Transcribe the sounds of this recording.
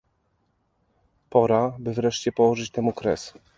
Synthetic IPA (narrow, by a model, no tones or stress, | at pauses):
pɔɾabɘvɾɛʂt͡ɕɛpɔwɔʐɘt͡ɕt̪ɛmukɾɛ̰s